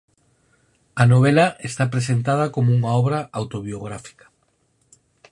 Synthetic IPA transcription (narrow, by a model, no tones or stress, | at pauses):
ɐnoβ̞elaʔest̪apɾes̬ent̪að̞ɐkomouŋaɔβɾaawt̪oβioɣɾafi̥kɐ̥